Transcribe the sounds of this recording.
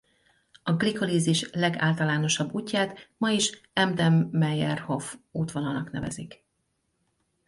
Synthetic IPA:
ɒɡliko̞liːziʃlɛɡa̰ːlt̪ɒlaːno̞ʃɒbːuːcːaːt̪mɒiʃɛmd̪ɛmːɛjɛrho̞vuːt̪ʋonɒlnɒknɛ̰vɛ̰zik

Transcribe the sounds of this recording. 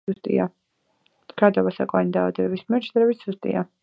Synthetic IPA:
t̪ʼḭa | ɡ̥ɾad̪avasa̰kʼɔanid̪aːvad̪ɛbɛbismiɛɾtt͡ʃʰd̪ɾɛbit̪ʰz̥ust̪ʼḭa

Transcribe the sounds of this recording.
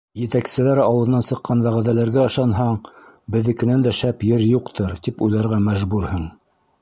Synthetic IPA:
jɘ̆t̪æksɘ̆læɾɑwɤ̆ðɤ̆nɑnsɤ̆qːɑnbæʁæðælæɾɡæɤ̆ʃɑnɦɑɴ | bɘ̆ðɘ̆kɘ̆nænd̪æʃæpjɘɾjuqt̪ʰɤɾt̪ipujlæɾʁæmæʒbuɾhɤɴ

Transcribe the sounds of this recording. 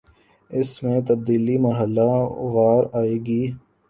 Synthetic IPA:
ɪsmẽt̪ɐb̚d̪iːlimɐɾɦəlaʋaːɾaːeːɡiː

